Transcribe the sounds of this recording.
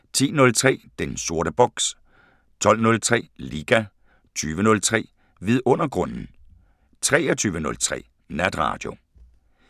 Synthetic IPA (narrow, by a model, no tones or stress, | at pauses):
t͡sʰḭːnɔ̽lt͡sʰʁɛ̰ːd̥enso̝ɐɾ̥əb̥ɒɡ̥s | t͡sʰɒ̽l̰nɔ̽lt͡sʰʁɛ̰ːliːɡ̥æ | t͡sʰyːʋənɔ̽lt͡sʰʁɛ̰ː | ʋiðˠɔ̽n̰ɐɡ̥ʁɔ̽n̰n̩ | t͡sʰʁɛːɐt͡sʰyːʋənɔ̽lt͡sʰʁɛ̰ː | næd̥ʁɑ̰̈ːd̥jo̝